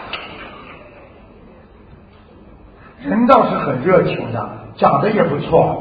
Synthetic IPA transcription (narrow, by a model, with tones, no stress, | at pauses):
ʂə˧˥nt̪ɑ˥˧ʊʂɻ̩˥˩xə˨˩nɻɤ˥˩t͡ɕʰjo˧˥ʊd̪ə̰˧t͡ɕjɑ˨˩ŋd̪ə˦jɛ˨˩pu˧˥t͡sʰwɔ˥˩